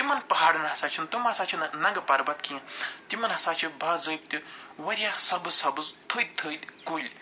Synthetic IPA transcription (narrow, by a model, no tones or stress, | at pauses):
t̪imɐnpɐɦaːɽɨnɦɐsaːt͡ʃʰint̪umɦɐsaːt͡ʃʰinnɐŋɡɐpɐɾbɐt̪kiɐ̃t̪imɐnɦɐsaːt͡ʃʰibʱaːzəːjb̚t̪ʲiwɐɾʲjasɐbɨzsɐbɨzt̪ʰud̪̚t̪ʰɨd̪ʲkulʲ